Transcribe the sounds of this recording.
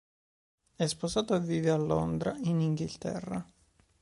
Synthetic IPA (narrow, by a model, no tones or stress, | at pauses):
ɛsposaːt̪oavːiːvealːond̪ɾainiŋɡilt̪ɛ̰rːa